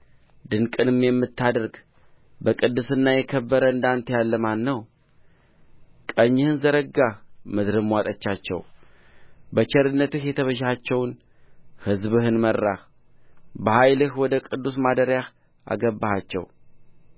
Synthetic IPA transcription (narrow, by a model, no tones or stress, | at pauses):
d̪ɨnkʼɨnɨmjɛmːɨt̪ʰːad̪əɾɡ | bəkʼɨd̪ːɨsɨnːajɛkʰəbːəɾəɨnd̪ant̪ʰjalːəmanːəw | kʼəɲːɪhɨnzəɾəɡamɨd̪ɾɨmːwat̪ʼət͡ʃːat͡ʃːɛ̰w | bət͡ʃʰɛɾɨnːət̪ɨhjɛt̪ʰəβəʃat͡ʃːɛwn | hɨzbɨhɨnmərːah | bəhajlɨhwɔd̪əkʼɨd̪ːusmad̪əɾjah | ʔa̰ɡəbːahat͡ʃːɛ̰w